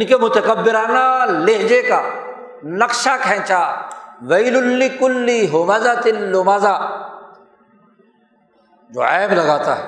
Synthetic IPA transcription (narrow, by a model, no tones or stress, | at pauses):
ɪnkemʊt̪əkɐbːɪɾaːnaleɦd͡ʒeka | nɐqʃakʰɛ̃ːt͡ʃaːʋɐɪlʊlːɪkʊlːiɦomɐzat̪ɪlːomaːzaː | d͡ʒo̰ːɛːblɐɡaːt̪a̰ɦɛ